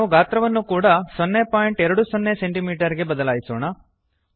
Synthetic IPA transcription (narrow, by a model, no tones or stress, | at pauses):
ʋuɡaːt̪ɾɐʋɐnːukuːɽɐsɔnːepaːjiɳʈɛɾɐɽusɔnːeseɳʈimiːʈɐɾiɡe̞bɐd̪ɐlaːjisoːɳɐ